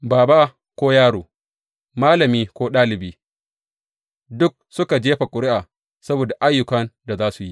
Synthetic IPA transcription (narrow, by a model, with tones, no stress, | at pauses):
baː˨ba˦ | kʷoː˦jaː˦ɽoː˨ | maː˦lɐ˨miː˦kʷoː˦ɗaː˦lɪ˨biː˦ | dʊ˦k̚sʊ˦ka˨d͡ʒeː˦ɸa˨kʷʼʊ˨ɾɪ˦ʔaː˨ | sɐ˦boː˨da˨ʔa˦jːʊ˨kɐ˦nda˨zaː˦su˨ji˦